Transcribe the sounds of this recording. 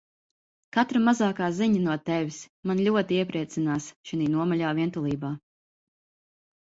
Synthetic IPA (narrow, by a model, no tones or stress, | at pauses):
kat̪ɾamazaːkaːziɲɐnuɔt̪ɛvʲismanlʲuɔt̪iiɛpɾiɛt̪sinaːsʃiniːnuɔmɔʎʲaːviɛnt̪ulˠiːbaː